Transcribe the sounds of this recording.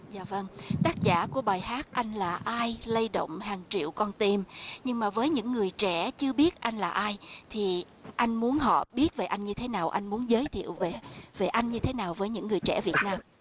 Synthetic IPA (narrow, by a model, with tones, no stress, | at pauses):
zaː˨˩və˧ŋt̪aː˦˥k̚za̰ː˧˩ku˧˩əɓaː˨˩jɦaː˦˥t̚ʔa˧jŋ̟laː˨˩ʔaː˧jlə˧jɗo̰˧˨wŋ͡mɦaː˨˩ŋt͡ɕḭ˧˨əwkɔ˧nt̪i˧mɲɨ˧ŋmaː˨˩vəː˨˦jɲɨ̰˧˥ŋːɨ˨˩əjt͡ɕɛ̰˧˩˥t͡ɕɨ˧əɓi˦˥ət̚ʔa˧jŋ̟laː˨˩ʔaː˧jt̪ʰi˨˩ | ʔa˧jŋ̟mu˨˦ənɦɔ̰˧˨ɓi˦˥ət̚ve˨˩ʔa˧jŋ̟ɲɨ˧t̪ʰe˨˦naː˨˩wʔa˧jŋmu˨˦ənzəː˨˦jt̪ʰḭ˧˨əwve˨˩ve˨˩ʔa˧jŋɲɨ˧t̪ʰe˨˦naː˨˩wvəː˨˦jɲɨ̰˧˥ŋːɨ˨˩əjt͡ɕɛ̰˧˥˩vi˨˩ət̚naː˧m